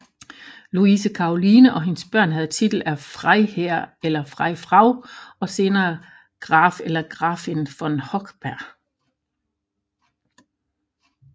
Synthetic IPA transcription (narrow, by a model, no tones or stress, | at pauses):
luisəkʰɑ̈oliːnəʔɒ̽ɦe̝nəsb̥ɶɐ̰nɦæð̞̩ˠt͡sʰid̥l̩æfʁaɪheɐ̰elɐfʁɑɪfʁɑ̈ʊ̰ɒ̽se̝ːnɐː | ɡ̥ʁɑ̰̈ːfelɐɡ̥ʁɑ̈ːfenfɒ̽nhɒ̽ɡ̥b̥æɐ̰